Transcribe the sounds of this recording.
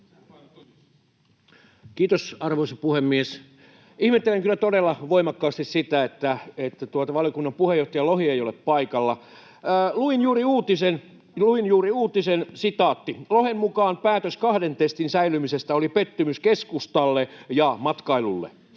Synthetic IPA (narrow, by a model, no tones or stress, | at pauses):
kiːt̪osɑrʋoisɑpuhemːies | ihmet̪ːeleŋkylːæt̪odelːɑʋoimɑkːɑːst̪issit̪æet̪ːæet̪ːæt̪uot̪ɑʋɑlijokunːɑmpuhejoht̪ɑjɑlohieijoleppɑikɑlːɑ | luinjuːriuːt̪isen | luinjuːriuːt̪isensit̪ɑːt̪ːilohemmukɑːnpæːt̪øskɑhdent̪est̪insæilymisest̪æolipet̪ːymyskeskust̪ɑlːejɑmɑt̪kɑilulːḛ